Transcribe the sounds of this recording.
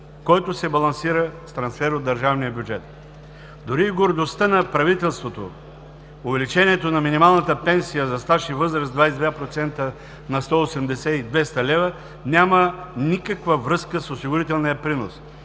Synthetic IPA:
kɔjt̪ʊsɛbɐlˠɐnsiɾəst̪ɾɐnsfɛɾod̪ɐɾʒavnijəbʲjud͡ʒɛt̪ | d̪oɾiːɡoɾd̪ost̪ənɐpɾɐvit̪ɛlˠst̪vot̪o̰ | ovɛlit͡ʃɛniɛt̪onɐminimalˠnət̪əpɛnsijəzɐst̪aʃivɤzɾəsd̪vajsɛd̪vapɾot̪sɛnt̪ə | nɐst̪ɔosɛmd̪ɛsɛid̪vɛst̪ɐlɛvə | nʲamənikəkvəvɾɤskəsosiɡʊɾit̪ɛlˠnijəpɾinos

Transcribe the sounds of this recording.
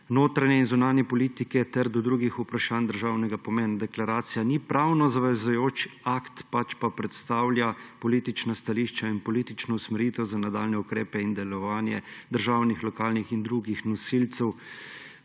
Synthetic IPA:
noːt̪ɾanjɛinzunaːnjɛpɔliːt̪ikɛt̪ɛɾd̪ɔd̪ɾuːɡixupɾaʃaːnd̪əɾʒaːwnɛɡapɔmɛːnd̪ɛklaɾaːt̪sijanipɾawnɔzaʋɛzujoːt͡ʃakt̪pat͡ʃpapɾɛt̪st̪aːwlʲjapɔliːt̪it͡ʃnast̪aliːʃt͡ʃainpɔlit̪it͡ʃnɔusmɛɾjiːt̪ɛwzanad̪aːlnɛukɾeːpɛind̪ɛlɔʋaːnjɛd̪əɾʒaːwnixlɔkaːlnixind̪ɾuɡixnɔsilt̪sɛw

